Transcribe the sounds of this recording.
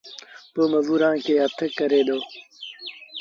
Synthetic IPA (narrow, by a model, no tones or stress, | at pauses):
boːməzuːɾãːkeːət̪ʰəkːəɾeːd̪oː